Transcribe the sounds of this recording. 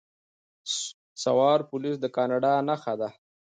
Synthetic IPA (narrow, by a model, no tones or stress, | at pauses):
sawɑɾpʊlis̬d̪əkɑnɑɖɑnaxad̪a